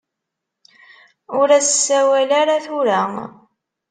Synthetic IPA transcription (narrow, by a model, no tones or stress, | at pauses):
ʊɾæssːæwælaɾaθʊɾæ